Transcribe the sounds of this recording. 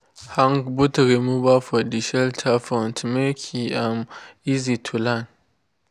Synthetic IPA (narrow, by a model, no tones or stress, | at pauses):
haŋkbutɾimubafɔdiʃɛltʰafantʰmekʰiamizitʰulan